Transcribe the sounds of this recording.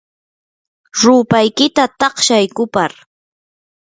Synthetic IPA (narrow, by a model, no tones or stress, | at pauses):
ɾʊːpajkɪt̪at̪ɑχʃajkʊpaɾ